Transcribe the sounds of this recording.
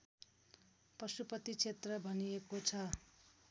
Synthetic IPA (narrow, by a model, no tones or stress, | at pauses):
prʌsupʌt̪it͡sʰet̪rʌbʱʌnijekot͡sʰʌ